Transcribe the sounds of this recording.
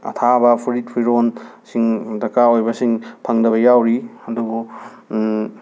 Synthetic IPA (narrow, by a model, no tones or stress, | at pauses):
ɐ̰tʰabɐpʰuɾit̚pʰijɾonsiŋdɐkaojbɐsiŋpʰɐŋdɐβɐjawɾiɐduɡu